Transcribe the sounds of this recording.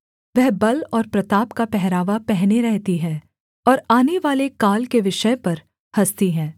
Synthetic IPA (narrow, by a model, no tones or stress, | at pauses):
ʋɛɦbɐlɔːɾpɾɐt̪aːpkapɛɦɾaːʋapɛɦneɾɛɦt̪iɦɛ̃ː | ɔːɾaːneʋaːlekaːlkeʋɪʃəepɐɾ | hɐst̪iɦɛ̃ː